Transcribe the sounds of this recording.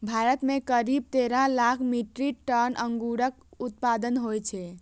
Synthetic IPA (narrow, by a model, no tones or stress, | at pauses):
bʱaɾət̪mekəɾib̚t̪eɾaɦlakʰmiʈɾiʈənʔəŋɡuɽək | ut̪̚pad̪ənɦojt͡ʃʰɛ